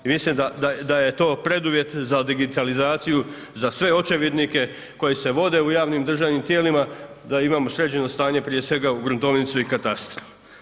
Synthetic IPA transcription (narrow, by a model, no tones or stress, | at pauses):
imislimd̪ad̪ad̪aje̞t̪o̞ːpɾe̞d̪uʋje̞t̪zad̪iɡit̪alizaːt̪siju | zasʋe̞o̞t͡ʃeʋed̪nike̞ | ko̞jise̞ʋo̞d̪e̞ujaːʋnimd̪r̩ʒaːʋnimt̪jeːlima | d̪aimaːmo̞sɾe̞t͡ɕe̞no̞st̪aːɲe̞pɾije̞sʋe̞ɡauɡɾunt̪o̞ʋnit̪suikat̪ast̪ɾofu